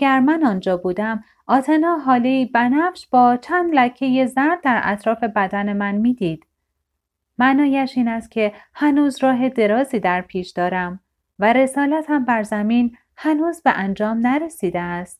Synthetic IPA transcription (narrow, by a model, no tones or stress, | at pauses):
æɡæɾmænɒːnd͡ʒɒːbuːd̪æm | ʔɒːt̪ʰenɒːɦɒːleiːbænæfʃb̥ɒːt͡ʃʰænd̪læcʰːe̞jezæɾd̪̚d̪æɾʔæ̰t̪ʰɾɒːfe̞bæd̪æne̞mænmiːd̪iːd̪̥ | mænɒːjæʃiːnæst̪̚cʰe̞hænuːzɾɒːɦe̞d̪e̞ɾɒːziːd̪æɾpʰiːʃd̪̥ɒːɾæm | væɾe̞sɒːlæt̪ʰhæmbæɾzæmiːn | hænuːzbeʔænd͡ʒɒːmnæɾe̞siːd̪eæst̪̚